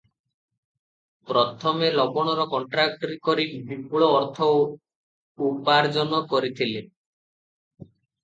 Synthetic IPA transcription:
pɾɔt̪ʰɔmelɔbɔɽ̃ɔɾɔkɔɳʈɾak̚ʈɔɾikɔɾibipuɭɔːɾt̪ʰɔ | upaɾd͡ʒɔnɔkɔɾit̪ʰile

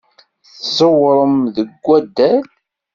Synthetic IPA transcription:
θsəwɾˤəmðəɡʷːæd̪ːæl

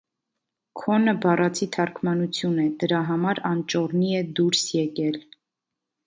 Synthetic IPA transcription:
kʰɔnəbɑrɑt͡sʰit̪ʰɑɾkʰmɑnut͡sʰjunɛd̪̥əɾɑɦɑmɑɾɑnt͡ʃɔɾniɛd̪uɾsjɛkɛl

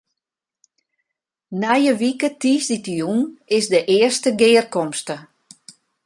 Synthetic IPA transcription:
nɛjəʋikətiːsditəjunɪsdəʔɪːərstəɡɪːrkɔmstə

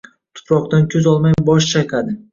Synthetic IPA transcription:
t̪ʰʊ̥pʰɾɒqt̪ankʰʲɵzɒlˠmajbɒʃt͡ʃʰajkʰad̪ɪ

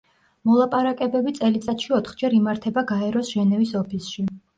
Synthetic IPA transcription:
mɔlˠapʼaɾakʼɛbɛbit̪sʼɛlit̪sʼat̪ʃiɔt̪ʰχd͡ʒɛɾimaɾt̪ʰɛbaɡaɛɾɔsʒ̥ɛnɛvisɔpʰisʃi

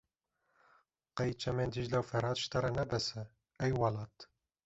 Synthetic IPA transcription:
qɛjt͡ʃʰɛmeːnd̪iʒlɛwfɛɾɑːt̪ʃt̪ɑɾɛnɛbɛsɛ | ɛjwɑlɑːt̪

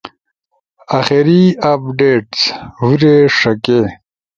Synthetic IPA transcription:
axeɾiap̚ɖeːʈswuɾeʂɐke

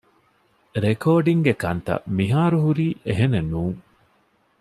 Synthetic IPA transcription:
ɾekʰoːɖiŋɡekɐnt̪ɐ̰miɦaːɾuɦuɾiːʔeɦenenuːŋ

